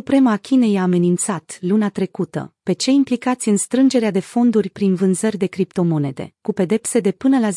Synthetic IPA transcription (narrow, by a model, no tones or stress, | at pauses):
supɾe̞məakʲine̞jaːme̞nint̪sat̪lunat̪ɾe̞kut̪ə̰pe̞t͡ʃe̞implikat̪sʲɨnst̪ɾɨnd͡ʒe̞ɾead̪e̞fo̞nd̪urʲpɾinvɨnzərʲd̪e̞kɾipt̪o̞mo̞ne̞d̪e̞̰kupe̞d̪e̞pse̞d̪e̞pɨnəlaz